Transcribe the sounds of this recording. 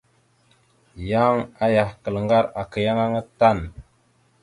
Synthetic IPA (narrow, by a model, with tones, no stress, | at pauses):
ja˦ŋa˦ja˨hkə˨lŋɡa˦ɾa˨kə˨ja˦ŋa˦ŋa˦ta˦˨n